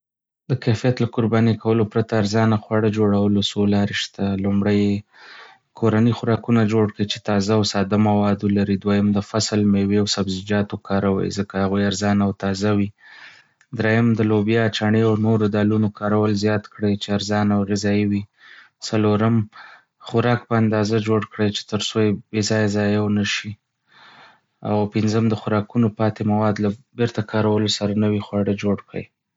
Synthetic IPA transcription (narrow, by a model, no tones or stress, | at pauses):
d̪əkafijat̪lakʊɾbɑnekawəlopɾat̪aːɾzɑnaxwaɽəd͡ʒoɽawəlosolɑɾeʃt̪alumɽəje | kʰoɾanixʊɾɑkunad͡ʒoɽkəit͡ʃe̥t̪ɑzawsɑd̪amawɑd̪olaɾid̪wajəmd̪əfaslmeweawsabzɪd͡ʒɑt̪okʰɑɾawa̰jḭzəkahaɣujaɾzɑnawt̪ɑzawi | d̪ɾejəmd̪əlobjɑt͡ʃaɳeawnoɾod̪ɑlunokɑɾawəlzjɑt̪kɽəjt͡ʃeaɾzɑnawɣɪzɑiwi | saloɾəm | xʊɾɑk̚pəand̪ɑzad͡ʒoɽkɽəjt͡ʃe̥t̪əɾsojebezɑjazɑjawnəʃi | a̰wpɪnzəmd̪əxʊɾɑkunopɑt̪emawɑd̪labɪɾt̪akʰɑɾawəlosaɾanawixwɑɽəd͡ʒoɽkɽə̰j